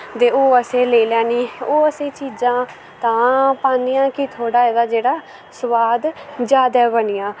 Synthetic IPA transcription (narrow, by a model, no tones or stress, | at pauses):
t̪eːoːəseːleːlɛːniːoːəseːt͡ʃiːd͡ʒãː | t̪ãːpãːnijãːkit̪ʰoːɽaːeːd̪aːd͡ʒeːɽaː | sʊʋaːd̪d͡ʒjaːd̪aːbənɪjãː